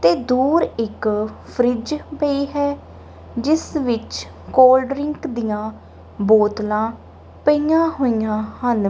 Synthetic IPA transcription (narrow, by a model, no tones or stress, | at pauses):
t̪eːd̪uːɾɪkpʰɾɪd͡ʒpəiːɦɛː | d͡ʒɪsʋɪt͡ʃ | koːlɖɾɪŋkd̪ijãː | boːt̪lãː | pəijãːɦoːijãːhən